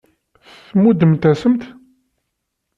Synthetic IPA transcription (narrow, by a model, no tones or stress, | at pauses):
θθmud̪əmt̪æsəmt̪